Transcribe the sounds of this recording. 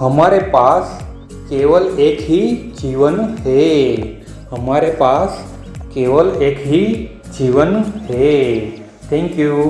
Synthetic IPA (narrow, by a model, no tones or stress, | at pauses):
ɦəmaɾepas | keʋəlekʰid͡ʒiʋənɦe | ɦəmaɾepas | keʋəlekʰɦi | d͡ʒiʋənɦe | t̪ʰɛ̃ŋkju